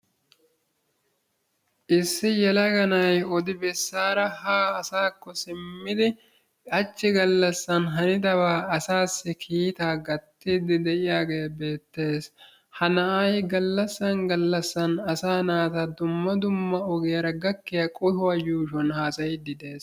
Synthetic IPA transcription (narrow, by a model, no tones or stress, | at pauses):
ʔɪsːɪjɛlɐɡɐnɐjɔd̪ɪbɛsːaːɾɐhaːɐsaːkːɔsɪmːɪd̪ɪ | ɐt͡ʃːɪɡɐlːɐsːɐnɦɐnɪd̪ɐbaːɐsaːsːɪkʰiːt̪aːɡɐt̪ːiːd̪ɪd̪ɛʔɪjaːɡe̞ːbe̞ːt̪ːe̞ːs | hɐnɐʔɐjɡɐlːɐsːɐnɡɐlːɐsːɐnɐsaːnaːt̪ɐd̪ʊmːɐd̪ʊmːɐɔɡɛjɐɾɐɡɐkːɪjɐkʼɔhʊwɐjuːʃɔnhaːsɐjd̪ɪd̪e̞ːs